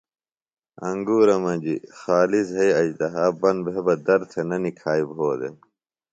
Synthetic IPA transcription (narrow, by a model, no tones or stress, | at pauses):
ɐ̰ŋɡuːɾɐmɐd͡ʑixaːlisɦɐiɐd͡ʑd̪ɐɦaːbɐnbʱebɐd̪ɐɾt̪ʰenɐnikʰaːibɦoːd̪ḛ